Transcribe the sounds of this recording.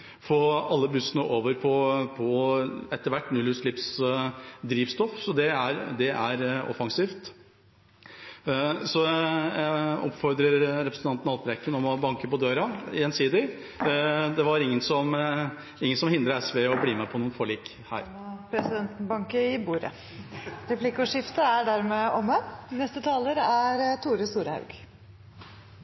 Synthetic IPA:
foːɑlːəbʉsənəʔoːʋəɾpʰɔpʰɔɛt̪ːəɾʋæʈːnʉlʉsɭɪps | d̪ɾiːʋst̪ɔfsɔd̪ɛæɾd̪ɛʔæɾɔ̰fɑŋsiːft̪ | sɔ | ɔ̰pfɔɾd̪ɾəɾɾɛpɾəsn̩ɑnt̪nɑt̪bɾɛkːənɔmɔbɑŋkəpɔd̪øːɾɑɛnsiːd̪ɪ | d̪ɛʋɑɾɪŋːənsɔm | ɪŋːənsɔmhɪnd̪ɾəɛsʋɛɔbliːmɛpʰɔnuːnfɔɭiːk | hæ̰ːɾ | pʰɾɛsɪd̪ɛnt̪nbɑŋkəɪbuːɾə̰ | ɾɛpʰlɪkʊʂɪft̪əæɖæɾmeɔmənɛst̪ət̪ʰɑːləɾæɾt̪ʰuːɾəst̪uːɾhɑ̰ʉɡ̥

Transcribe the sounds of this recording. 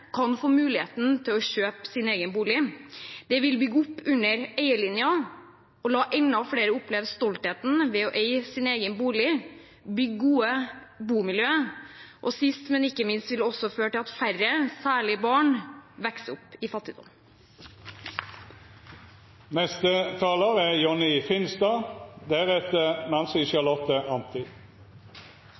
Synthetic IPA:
kʰɑnfoːmʉːlɪḛːt̪nt̪ʰɪlɔçøːpsɪneːɡənbuːlɪd̪̥ɛʋɪlbʏɡːʊpːʉnːəɾeɪəlɪnjɑ | ɔlɑːʔɛnːɑʋfɽeːɾəʊpleːʋst̪ɔlt̪heːt̪n̩ʋɛɔʔeɪsɪneːɡənbuːlɪ | bʏɡːɡuːəbuːmɪljøːʔɔsɪst̪mɛnɪkːəmɪnst̪ʋɪlɔsɔføːʈɪlɑt̪fæɾəsæːɭɪəbɑːɳʋɛksəʊpɪfɑt̪ːɪd̪ɔ̰m | nɛst̪ət̪ʰɑːləʁæjɔnɪfɪnsd̪ɑːd̪æʁɛt̪ənɑnsɪʃɑlɔt̪əʔɑnt̪ɪ

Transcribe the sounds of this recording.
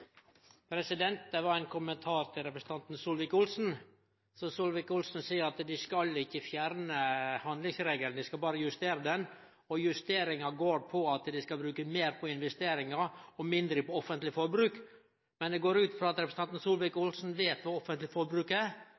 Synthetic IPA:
pʰɾɛsɪd̪ɛnt̪̚d̪ɛʋɑɾæɪnkʰʊmənt̪ʰɑːɾt̪ʰɪlɾɛpɾəsə̥t̪ɑnt̪nsuːlʋɪkʊlsn̩ | sɔsʊlʋɪkʊlsn̩siːəɾɑt̪d̪ɪskɑlɪçːəfjæɾnəhɑnd̪lɪŋsɾeːɡlnd̪ɪskɑbɑːɾəjʉst̪eːɾəd̪ɛn | ɔjʉst̪eːɾɪŋɑɡoːɾpʰɔɑt̪d̪ɪskɑlbɾʉːkəmeːɾpʰɔɪnʋɛst̪eːɾɪŋɑɔmɪnd̪ɾəpɔɔfənt̪lɪfɔɾbɾʉːk | mɛnd̪ɛɡoːɾʉːt̪fɾɑːɑt̪ɾɛpʰɾsəɑnt̪n̩sulʋɪkʊlsn̩ʋeːt̪ʋɑɔfənt̪lɪfɔɾbɾʉːkæɾ

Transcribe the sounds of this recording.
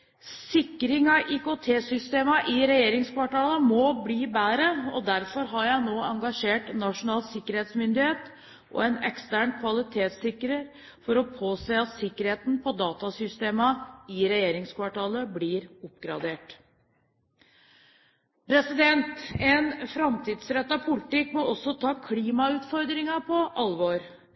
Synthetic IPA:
ssɪkːɾɪŋɑʔiːkot̪ʰeːsʏst̪eːmɑʔɪɾɛjeːɾɪŋskʰʋɑʈɑːləmɔbliːbæːɾəɔd̪æɾfɔɾɦɑɾjæɪnoːɑŋɡɑʂeːʈnɑʂʊnɑːlsɪkːəɾheːt̪smʏnd̪ɪheːt̪ | ʔɔ̰ɛnɛkst̪æːɳkʰʋɑlɪt̪ʰeːt̪sɪkːɾəɾ | fɔɾɔpʰoːseːɑt̪sɪkːəɾheːt̪n̩pʰɔd̪ɑːt̪ɑsʏst̪eːmɑɪɾɛjeːɾɪŋskʰʋɑʈɑːləblɪːɾʊpːɡɾɑd̪eːʈ | pʰɾɛsɪd̪ɛnt̪ɛnfɾɑmt̪ʰiːd̪sɾɛt̪ːɑpʰʊlɪt̪ɪkːmɔʔɔsːɔt̪ʰɑːkʰliːmɑʉːt̪fɔɾd̪ɾɪŋɑpʰɔʔɑlʋoːɾ

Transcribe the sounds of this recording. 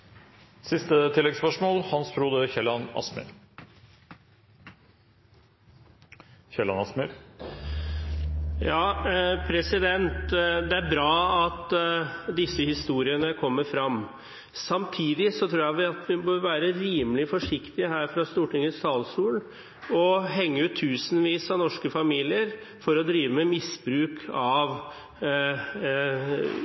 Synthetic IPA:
sɪst̪ət̪ʰɪlːɛɡspœʂmoːlhɑnsbʰɾuːd̪əçɛlːɑnɑ̰smʏ̰ɾ | çɛlɑ̰nɑsmɪɾ | jɑːpʰɾɛsɪd̪ɛnt̪d̪ɛæɾbɾɑːɑt̪ | d̪ɪsːəhɪst̪uːɾɪənəkʰɔmːəɾfɾɑm | sɑmt̪ʰiːd̪ɪsɔt̪ʰɾuːjæʋɪɑt̪ʋɪbøːɾʋæːɾəɾiːməlɪfɔʂɪkt̪ɪəɦæːɾfɾɑst̪uːʈɪŋəst̪ɑːlsuːl | ɔɦɛŋːəʉt̪ʰːʉːsn̩ʋiːsɑnɔʂkəfɑmiːlɪəɾ | fɔɾɔd̪ɾiːʋəmɛmɪsbɾʉːkʰɑʋ

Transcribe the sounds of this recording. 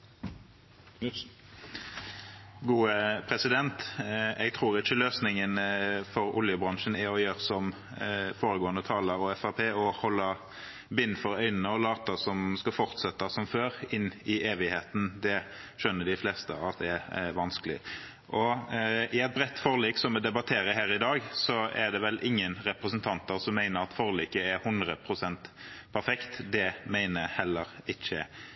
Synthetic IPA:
ɡuːəpʰɾɛsɪd̪ɛnt̪ɛɡt̪ʰʁuːʁɪʃəløːsnɪŋənfɔɾʊ̰ljəbɾɑŋʃənæɾɔjøːʁsɔm | foːɾəɡoːənd̪ət̪ʰɑːləɾɔɛfɑʁpʰeːɔhɔlːə | bɪnfɔɾœʏnənəɔlɑːt̪əsɔmskɑfɔʁt̪sɛt̪ːɑsɔmføːɾɪnːɪeːʋɪheːt̪n̩d̪ɛʃœnːəd̪ɪflɛːst̪ə̰ɑt̪̚d̪ɛæʋɑnsklɪ̰ | ʔɔɪɛɪt̪̚bɾɛt̪ːfɔʁliːksɔmɛd̪ɛbɑt̪ʰeːɾəhæːɾɪd̪ɑːɡsɔɛd̪ɛʋɛlʔɪŋːənɾɛpɾəsənt̪ʰɑnt̪əʁsɔmːæɪnəɾɑt̪fɔːʁliːkəæɾhʉnd̪ʁəpʰɾʊsɛnt̪pʰæɾfɛkt̪d̪ɛmæɪnəhɛlːəɾɪçə

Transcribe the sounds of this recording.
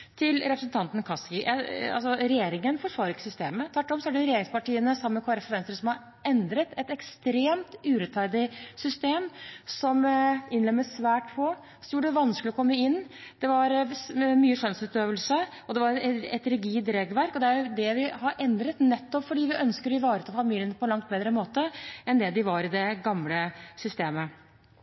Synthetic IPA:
t̪ʰɪlɾɛpɾəsn̩t̪ʰɑnt̪nkʰɑskɪjʔæɑ̰lsɔɾɛjeːɾɪŋənfɔɾfɑːɾɪkːəsʏst̪eːmət̪ʰʋæʈːɔmsɔæɖɛɾɛjeːɾɪŋspɑʈiːənəsɑmːəkʰʋɑːɾəfɔɾʋɛnst̪ɾəsɔmhɑɾ | ɛnd̪ɾət̪ʰɛt̪ɛkst̪ɾeːmt̪ʉːɾɛt̪ʰfæɾd̪ɪsʏst̪eːmsɔmɪnlɛmːəsʋæːʈpʰɔ | sɔmjuːɖəd̪ɛʋɑnsklɪɔkʰɔmːəɪnːd̪̥ɛʋɑɾmyːəʂœnsʉːt̪øːʋəlsə | ɔd̪ɛʋɑɾɛ̰t̪ɾɛɡiːd̪ɾeːɡʋæɾkɔd̪ɛæɾjʊd̪ɛʋɪhɑɾʔɛnd̪ɾət̪nɛt̪ːɔpfɔɖiːʋɪʔœnskəɾɪʋɑːɾət̪ʰɑːfɑmiːlənəpʰɔlɑŋt̪̚bɛːd̪ɾəmoːt̪əɛnd̪ɛd̪ɪʋɑɾɪd̪ɛɡɑmləsʏst̪eːmə

